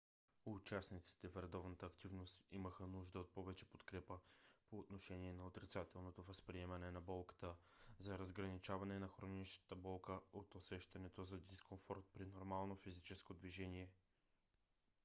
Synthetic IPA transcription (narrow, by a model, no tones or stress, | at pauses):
ʊt͡ʃasnit̪si̥t̪ɛfɾɛd̪ɔvnət̪əːkt̪ivnost̪iməxənuʒd̪əot̪̚pɔvɛt͡ʃɛpo̥t̪kɾɛpəpoːt̪noʃɛniɛnɐot̪ɾit̪sat̪ɛlˠnot̪ovəspɾiɛmɐnɛnɐbɔlˠkə̥t̪ə | zɐɾəzɡɾɐnit͡ʃavɐnɛnɐxɾoniʃnə̥t̪əbɔlˠkəot̪osɛʃt̪ɐnɛt̪ozɐd̪iskonfɔɾt̪̚pɾinoɾmalˠnofizit͡ʃɛskod̪viʒɛniɛ